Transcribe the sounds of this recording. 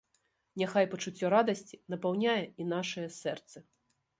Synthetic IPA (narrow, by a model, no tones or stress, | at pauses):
nʲaxajpɐt͡ʂut͡sʲːɔɾad̪ɐsʲt͡sʲinɐpawnʲajɛinaʂɐjɛsɛrt̪sɐ